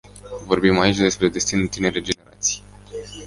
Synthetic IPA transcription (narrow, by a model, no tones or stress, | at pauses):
vo̞rbimait͡ʃʲd̪e̞spɾe̞d̪e̞st̪inut̪ine̞ɾed͡ʒe̞ne̞ɾa̰t̪si̥j